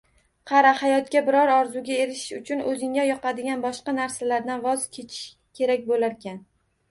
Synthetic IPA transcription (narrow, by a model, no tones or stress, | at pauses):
qʰɑɾahajɒt̪kʲabɪɾɒɾɒɾzuɡʲae̞ɾɪʃɪ̥ʃʊt͡ʃʰʊnɵzɪŋajɒqɑd̪ɪɡʲanbɒʃqɑnaɾsalaɾd̪anvɒzkʲʰet͡ʃʰɪ̥ʃ | kʲʰe̞ɾakʲbolaɾkʲʰan